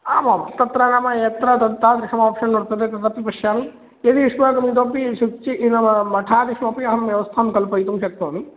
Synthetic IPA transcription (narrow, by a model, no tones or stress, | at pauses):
aːmamt̪ɐt̪ɾaːnaːmɐɐt̪ɾɐt̪ɐt̪ːaːt̪ɾiʂʰɐmaːpʂɐnnoɽt̪ɐd̪et̪ɐt̪ɐpːipɐʃjaːmi | jɐd̪iʋiʂmaːk̪ɐmid̪opːiʃut͡ʃiʔinɐmɐmɐʈʰaːd̪iʂmɐpiɐɦɐnɐmʋjɐʋɐst̪ʰaːmkɐlpɐjt̪umʃɐk̚t̪ɐːmi